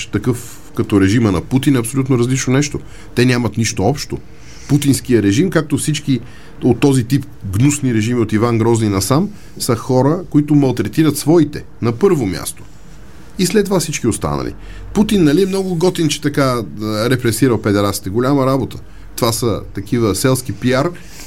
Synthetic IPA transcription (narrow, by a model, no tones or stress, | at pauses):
t̪ɐkɤf | kɐt̪ɔɾɛʒimənɐput̪inɐpsolʲut̪noɾɐzlit͡ʃnonɛʃt̪o | t̪ɛnʲamət̪niʃt̪oɔpʃt̪o | put̪inskijəɾɛʒimkak̚t̪ofsit͡ʃk̟i | ot̪ːɔzit̪ip | ɡnusniɾɛʒimiot̪ivanɡɾɔzninɐsam | səxɔɾəkoit̪ʊmɐlˠt̪ɾɛt̪iɾət̪svɔit̪ɛ | nɐpɤɾvomʲja̰st̪o̥ | islɛt̪ːovafsit͡ʃkiost̪a̰nə̰lḭ | put̪inːɐliɛmnɔɡʊɡɔt̪int͡ʃɛ̥t̪ɐkaɾɛpɾɛsiɾəlˠfɛd̪ɛɾat̪si̥t̪ɛɡolʲaməɾabot̪ʰə̥ | t̪ovasət̪ɐkivəsɛlˠsk̟ipiaɾ